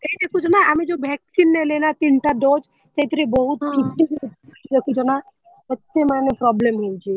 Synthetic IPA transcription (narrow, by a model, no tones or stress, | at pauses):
k̪əid̪ekʰut͡ʃʰɔnaʔamed͡ʒobʱɛksinːelenat̪inʈaɖod͡ʒ | səit̪ɾebɔɦut̪kiʈːikt̪d̪ekʰut͡ʃʰɔna | ət̪emanepɾɔblemɦoit͡ʃʰe